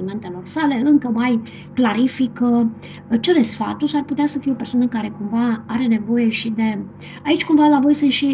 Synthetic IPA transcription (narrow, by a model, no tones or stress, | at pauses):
ime̞nt̪e̞lo̞rsale̞ɨŋkəmaj | klaɾifikə | t͡ʃelesfa̰t̪uʃarput̪easəfijeo̞pe̞rswanəkaɾe̞kumvaaɾe̞ne̞vo̞je̞ʃid̪e̞ | ait͡ʃʲkumvalavo̞jsɨnt̪ʃi